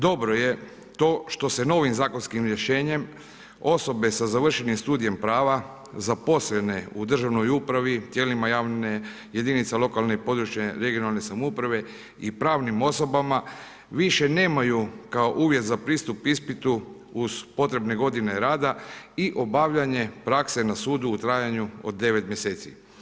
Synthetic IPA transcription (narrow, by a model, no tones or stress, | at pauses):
d̪o̞bɾo̞je̞ | t̪o̞ːʃt̪o̞se̞no̞ʋimzaːkonskimɾje̞ʃe̞ːɲe̞m | o̞so̞be̞sazaʋr̩ʃe̞nimst̪uːd̪ije̞mpɾaːʋa | zapo̞slene̞ud̪r̩ʒaʋno̞jupɾaʋit̪je̞ːlimajaːʋne | je̞d̪init̪salˠo̞kalnepo̞d̪ɾut͡ʃjeɾe̞ɡio̞nalˠne̞samupɾaʋe̞ | ipɾaːʋnimo̞so̞bama | ʋiʃe̞ne̞ːmajukao̞ʔuːʋje̞t̪zapɾiːst̪upispit̪uː | z̥po̞t̪ɾe̞bne̞ɡo̞d̪ine̞ɾaːd̪aiʔo̞baʋʎaɲe̞pɾakse̞nasuːd̪uːt̪ɾajaɲuo̞̰d̪̚ːe̞ʋe̞t̪mje̞se̞ːt̪sḭ